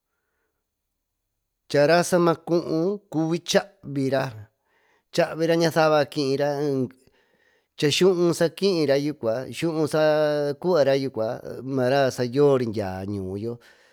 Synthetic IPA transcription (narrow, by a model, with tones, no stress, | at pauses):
t͡ʃa˨ɾa˦sa˦mã˧kũ˦ʔũ˧ku˧βi˦t͡ʃa˦ʔβi˧ɾa˧ | t͡ʃa˦ʔβi˧ɾa˦ɲã˧θa˦βa˧kĩ˧ʔĩ˧ɾa˦˧ | t͡ʃa˧ʃũ˦ʔũ˧sa˧kĩ˦ʔĩ˧ɾa˧ju˧kʷa˨ʃũ˦ʔũ˧sa˦ku˦a˧ɾa˦ju˧kʷa̰˨mã˨˧ɾa˦sa˧jo˦˨˧ɾi˧ndʲa̰ː˨ɲũː˨˧˦jo˦